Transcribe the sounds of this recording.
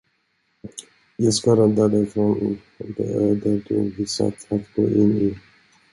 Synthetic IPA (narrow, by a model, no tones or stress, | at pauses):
jɑskaɾɛnd̪ad̪ɪfɾon | d̪ɛ̰ød̪əɾd̪ɵ̰vɪsa̰t̪ʰat̪ɡo̰ːʔɪni